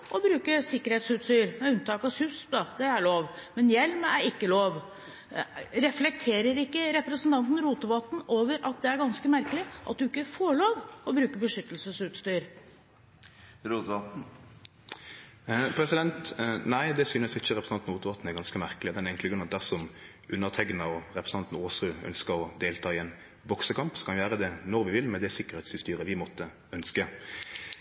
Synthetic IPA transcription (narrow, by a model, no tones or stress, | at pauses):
ʔɔbɾʉːkəsɪkːəɾheːt̪sʉːt̪st̪yːɾmɛʉnt̪ʰɑːkɑsʉst̪d̪ɑd̪ɛæɭoːʋmɛnjɛlmæɾɪkːəloːʋ | ɾɛflɛk̚t̪ʰeːɾəɾɪkːəɾɛpɾəsnt̪ɑnt̪n̩ɾuːt̪əʋoːt̪n̩oːʋəɾʔɑt̪̚d̪ɛæɾɡɑnskəmæɾkəlɪʔɑt̪̚d̪ʉɪkːəfoːɭoːʋɔbɾʉːkəbəʂʏt̪ːəlsəsʉːt̪st̪yːɾ | ɾut̪ː | pʰɾɛsɪd̪ɛnt̪næɪd̪ɛsyːnəsɪçːəʁɛpɾə̥sɑnt̪n̩uːt̪əʋɑt̪n̩ɛɡɑnskəmæʁkəlɪd̪ɛnɪɡŋk̪lɪɡɾʉnɑt̪̚d̪æʁsɔm | ʔʉnːəʁt̪ʰɛɡnəɔʁɛpʰɾəsnɑnt̪n̩oːsʁʉœ̰nskəɾɔd̪eːlt̪ʰɑːɪɛn | bɔksəkʰɑmpskɑnjæːɾəd̪ɛnɔɾʋɪʋɪlmɛd̪ɛsɪkːəʁhɛt̪sɪst̪yːɾəʋɪmɔt̪ːə | œnskə